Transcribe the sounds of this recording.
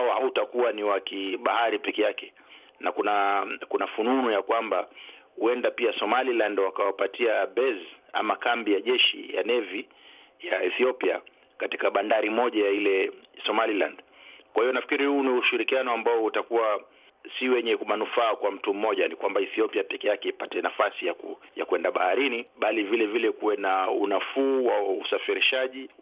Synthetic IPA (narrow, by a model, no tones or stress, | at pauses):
aɔhautakuwaniwakiɓahaɾipɛkɛjakɛ̥ | nakunakunafununujakwamba | huɛndapiasɔmalilandwakawapatʰiabɛza̰makambijaʄɛʃḭja̰nɛvi | jaɛθiɔpia | kati̥kaɓandaɾimɔʄajailɛsɔmalilandkwahijɔnafi̥kiɾihuːniuʃiɾikianɔambaɔutakuwa | siwɛɲɛkumanufaːkwam̩tum̩mːɔʄanikwambaiθiɔpiapɛkɛjakɛipatɛnafasijakujakwɛndaɓahaɾiniɓalivilɛvilɛkuwɛnaunafuːwausafiɾiʃaʄi